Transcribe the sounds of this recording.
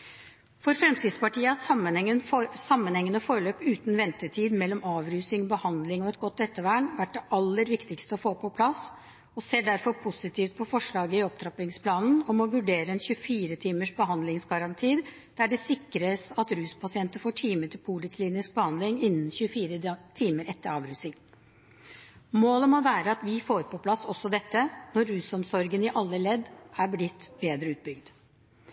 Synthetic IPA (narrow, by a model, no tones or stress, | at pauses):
fɔɾfɾɛmt̪iːd̪spɑʈiːəmːənənsɑmːənhɛŋːənəfoːɾɭøːpʉːt̪n̩ʋɛnt̪əʈʰiːd̪mɛlːɔmɑːʋɾʉːsɪŋbəhɑnd̪lɪŋɔɛt̪ɡɔt̪ːɛt̪ːəʋæːɳʋæʈ̚ːd̪ɛʔɑlːəɾʋɪkt̪ɪkst̪əɔfoːpʰɔpʰlɑs | ɔseːɖæɾfɔɾpʰʊsɪt̪ʰiːft̪̚pʰɔfɔʂɭɑːɡəɪɔp̚t̪ʰɾɑpɪŋspʰlɑːnn̩ɔmɔʋʉɖeːɾəɛnçʉəfiːɾət̪ʰiːməʂbəɦɑnd̪lɪŋsɡɑɾɑnt̪ʰiː | d̪̥æɖɛsɪkːɾəsɑt̪ɾʉːspɑsɪɛnt̪əfoːʈʰiːməʈɪlpʰuːləkʰliːnɪsk̚bəhɑnd̪lɪŋɪnːn̩çʉəfiːɾət̪ʰiːməɾɛt̪ːəɾɑːʋɾʉːsɪŋ | moːləmɔʋæːɾəɑt̪ʋɪfoːɾpʰɔpʰlɑsːɔsːɔd̪ɛt̪ːənɔɾːʉːsɔmsɔɾɡənɪʔɑlːəlɛd̪ːæɾblɪt̪ːbeːd̪ɾəʉːt̪̚bʏɡd̪